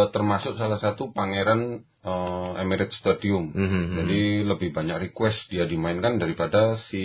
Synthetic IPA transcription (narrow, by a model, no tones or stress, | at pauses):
t̪ərmasʊk̚salahsat̪upaŋeɾan | əɛmiɾɛt̪̚st̪adiʊmd͡ʒadiləbɪhbaɲak̚rikwɛstdiadimaɪnkandaɾipadasi